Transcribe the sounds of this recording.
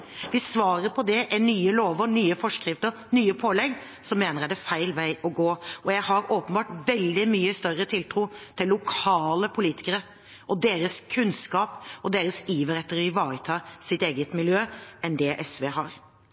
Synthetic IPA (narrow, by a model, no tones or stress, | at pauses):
ʋɪsʋɑːɾəɾpʰɔd̪ɛʔænyːəloːʋəɾnyːəfɔʂkɾɪft̪əɾ | nyːəpʰoːlɛɡː | sɔmːeːnəɾæd̪æfæɪlʋæɪʔɔɡoːʔɔjæɪɦɑɾoːpənbɑːʈʋɛld̪ɪmyːəst̪œrət̪ʰɪlt̪ʰɾuːt̪ʰɪlːʊkʰɑːləpʰʊliːt̪ɪ̥kəɾə | ʔɔd̪eːɾəskʰʉnskɑːpɔd̪eːɾəsiːʋəɾɛt̪ːəɾɪʋɑːɾət̪ʰɑːsɪt̪eːɡət̪mɪljøːɛnd̪ɛʔɛsʋeːɦɑːɾ